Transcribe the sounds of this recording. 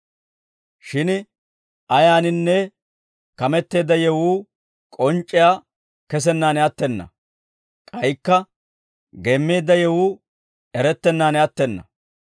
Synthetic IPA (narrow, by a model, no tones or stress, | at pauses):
ʃɪn | ʔɐjaːnɪnːɛ | kɐmɛt̪ːe̞ːd̪ːɐjɛwuː | kʼɔnt͡ʃʼːɪjaː | kɛs̬ɛnːaːnɛɐt̪ːɛnːɐ̰ | kʼɐjkːɐ | ɡeːmːe̞ːd̪ːɐjɛwuː | ɛɾɛt̪ːɛnːaːnɛɐt̪ːɛnːɐ̰